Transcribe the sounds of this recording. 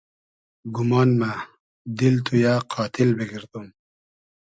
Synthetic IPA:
ɡumɑːnma | d̪ilt̪ʰujaːqʰɑːt̪ʰilbiɡiɾt̪um

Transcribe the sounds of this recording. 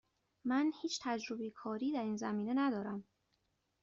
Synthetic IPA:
mænhiːt͡ʃʰt̪ʰæd͡ʒɾobejekʰɒːɾiːd̪æɾiːnzæmiːne̞næd̪ɒːɾæm

